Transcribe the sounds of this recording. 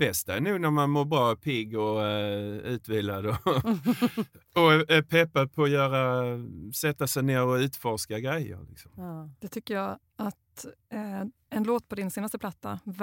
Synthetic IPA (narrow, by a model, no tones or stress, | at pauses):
b̥ɛst̪aænʉ̟ːɡnæɾmanmoːɾbɾɑːɔpʰɪɡɔ | ʉ̟ːt̪viːlad̪ɔ | ɔɛpʰɛpːad̪̚pʰɔːjœːɾa | sɛt̪ːasɛjneːɾɔʉ̟ːt̪fɔʂkaɡɾɛjːə̰ɾlɪ̰ksɔmd̪ɛt̪ʰʏkːəjɑ | at̪ | ɛnloːt̪pʰɔd̪ɪnseːnast̪əpʰlat̪ːa